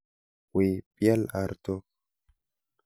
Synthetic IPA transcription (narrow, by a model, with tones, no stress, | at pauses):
we˨pja˦la˨ɾt̪o˦k̚